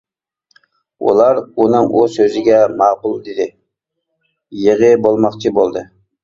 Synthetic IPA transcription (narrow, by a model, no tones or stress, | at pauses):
ṵlˠɑɾunɨŋʔusøzɪɡʲɛmɑːqʊlˠd̪ɪd̪ɪ | jeʁɨbolˠmɑqt͡ʃʰibolˠd̪ɨ